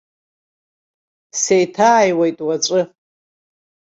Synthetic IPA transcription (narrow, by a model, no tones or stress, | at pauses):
sejtʰaːjwejtʼwat͡sʷʼɨ